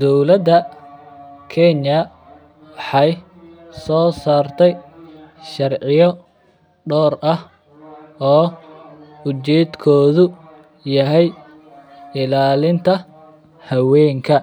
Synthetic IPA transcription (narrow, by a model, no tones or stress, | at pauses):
d̪ɔwlɐd̪ɐ | kʰɛnjɐ | wɑħɑj | sɔːsaːrt̪ʰɛj | ʃɐrʕɪjɔ | ɖɔːrʔɐh | ɔː | ʊt͡ʃɛːd̪kʰɔːðʊ | jɐɦɛj | ɪlaːlɪnt̪ʰɐ | hɐwɛːŋkʰɐ